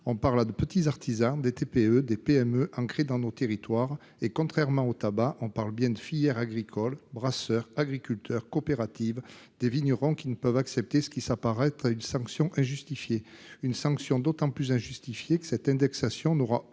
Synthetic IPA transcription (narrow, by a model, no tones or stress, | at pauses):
ɔ̃paʁlad̪əpət̪izaʁt̪ʰizɑ̃d̪et̪epeød̪epeɛmøʔɑ̃kχed̪ɑ̃not̪eʁit̪waʁ | ekɔ̃t̪χɛʁmɑ̃ot̪abaʔɔ̃paʁləbjɛ̃d̪əfijɛʁaɡʁikʰɔlbʁasœʁaɡʁikʲylt̪ʰœʁkɔpeʁat̪ivd̪eviɲjɔʁɔ̃kʲinəpœvaksɛp̚t̪esə̥kʲisapaʁɛt̪χaynsɑ̃ksjɔ̃ʔɛ̃ʒyst̪ifjeynsɑ̃ksjɔ̃d̪ot̪ɑ̃plyzɛ̃ʒyst̪ifjekə̥sɛt̪ɛ̃d̪ɛksasjɔ̃nɔʁa